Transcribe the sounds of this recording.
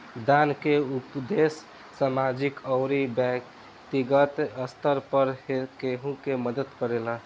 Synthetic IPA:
d̪ankeupd̪esː | amad͡ʒikəwɾibɛk | t̪iɡət̪əst̪ʰəɾpəɾhekeɦũkeməd̪ət̪kəɾelə

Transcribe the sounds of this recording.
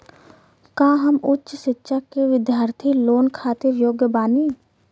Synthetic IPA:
kãːɦəmʊtːʃʃɪtːʃakeʋɪd̪jaːɾt̪ʰiloːnkʰaːt̪ɪɾjoːɡjəbaːniː

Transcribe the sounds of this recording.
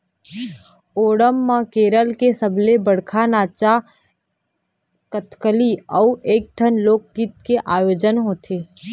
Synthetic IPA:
oːɽəmːãkeːɾəlkesəbʱlebəɽkʰanaːt͡ʃa | kət̪kəliɔueːk̚ʈʰənloːk̚ɡit̪̚keʔaːjoːd͡ʒənɦoːt̪ʰeː

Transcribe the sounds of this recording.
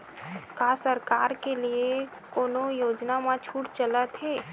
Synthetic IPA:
kaːsəɾkaːɾkelie | koːnojoːd͡ʒnamãt͡ʃʰuːʈt͡ʃələt̪ɦeː

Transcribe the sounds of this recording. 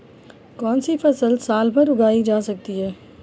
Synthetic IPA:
kɔːnsifɐsəlsaːlbɐ̃ɾʊɡaːid͡ʒaːsɐk̚t̪iɦɛː

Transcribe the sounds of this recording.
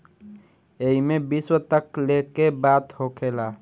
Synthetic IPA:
eɦimebiswət̪əklekebaːt̪hokʰeːlaː

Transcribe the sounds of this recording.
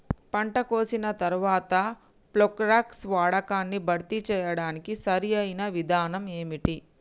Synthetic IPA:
pɐɳʈɐko̞ːsinɐt̪ɐɾuʋaːt̪ɐ | plokɾaːksʋaːɽɐkaːnːibʱɐɾt̪it͡ʃɛːjɐɽaːnikisɐɾiɐjnɐʋid̪ʱaːnɐme̞ːmiʈi

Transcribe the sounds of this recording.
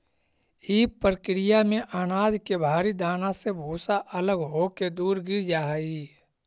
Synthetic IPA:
iːpːɾəkɾɪjamẽʔaːnaːd̪kebʱaːɾid̪aːnãsebʱoːsaʔɐləɡɦoked̪uːɾɡɪɾd͡ʒaːɦiː

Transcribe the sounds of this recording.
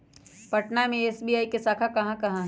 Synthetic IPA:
pɐʈnamẽeːsbiːaːikesaːkʰakɐɦãkɐɦãɦ

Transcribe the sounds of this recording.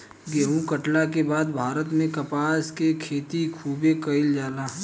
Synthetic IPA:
ɡeːɦũkɐʈlakebaːd̪bʱaːɾət̪mẽkɐpaːskekʰeːt̪ikʰuːbekɐɪld͡ʒaːlaɦ

